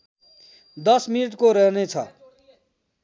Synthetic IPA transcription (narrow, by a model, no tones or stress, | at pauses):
d̪ʌsminiʈkoɾʌɦnet͡sʰʌ